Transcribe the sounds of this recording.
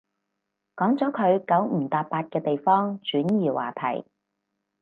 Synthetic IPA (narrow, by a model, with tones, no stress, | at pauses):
kɔː˨˥ŋt͡sɔː˨˥kʰɵ˨˧ɥkɐ˨˥wm̩˨˩t̪aː˧p̚pːaː˧t̚kɛː˧t̪e˨jfɔː˥ŋt͡ʃyː˨˥njiː˨wa̰ː˨t̪ʰɐ̰˨˩j